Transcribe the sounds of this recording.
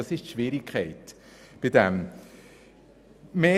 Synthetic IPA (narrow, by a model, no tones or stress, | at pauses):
ɑsɪʃtʃʋiːɾɪkʰɛɪt | b̥ɪdɛm | meː